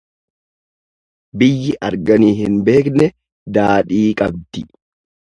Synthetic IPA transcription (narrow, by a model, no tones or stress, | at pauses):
bɪjːɪʔɐɾɡɐniːhɪnbe̞ːknɛ | d̪aːᶑiːkʼɐb̚d̪̥ɪ